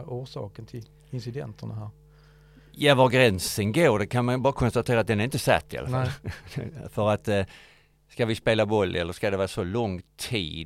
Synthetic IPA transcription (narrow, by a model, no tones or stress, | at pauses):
uːʂɑ̰ːkənt̪ʰɪl | ɪnsɪd̪ɛnt̪ʰəɳaɦæːɾ | javaɾɡɾɛnsənɡoːɖɛkʰanmanbɑːɾakʰɔnst̪at̪ʰeːɾat̪̚d̪ɛnæɾɪnt̪əsɛ̰t̪ːɪa̰lafalː | fœɾat̪ | skavɪspeːlabɔlːʔɛlːəɾskad̪ɛvɑːɾsɔlɔŋt̪ʰḭːd̪